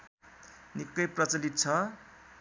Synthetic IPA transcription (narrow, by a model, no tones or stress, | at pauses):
nikːʌjprʌt͡sʌlit̪̚t͡sʰʌ